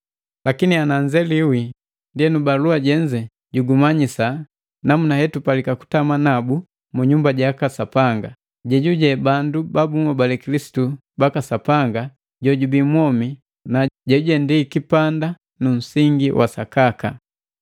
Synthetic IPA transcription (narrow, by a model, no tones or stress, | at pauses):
lakinianaɲd͡ʒɛliwi | ndiɛnubaluaɟɛɲd͡ʒɛ | ɟuɡumaɲisa | namunahɛtupalikaku̥tamanabu | muɲumbaɟakasapaŋɡa | ɟɛɟuɟɛbandubabuŋɔbalɛkilisi̥tu | bakasapaŋɡa | ɟɔɟubimwɔmi | naɟɛuɟɛndikipanda | nun̩siŋɡiwʔa̰sakaka